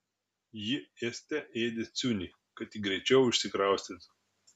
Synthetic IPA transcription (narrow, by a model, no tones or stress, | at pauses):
jɪesʲt̪ʲɛʔeːd̪ʲet̪sʲunʲi | kɐt̪ɪɡɾʲɛɪt͡ʃʲɛʊʊʃʲsʲɪkɾɑˑʊsʲt̪ʲet̪